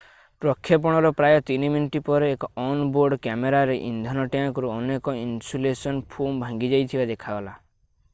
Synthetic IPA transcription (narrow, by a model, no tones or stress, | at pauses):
pɾɔkʰːjɔp̬ɔɽ̃ɔɾɔpɾajɔt̪iniminuʈipɔɾeːkɔnboɾɖkameɾaɾeʔḭnd̪ʱɔnɔʈjãŋkɔɾuɔnekɔinsulesɔnpʰombʱãŋɡid͡ʒajt̪ʰibad̪ekʰaɡɔla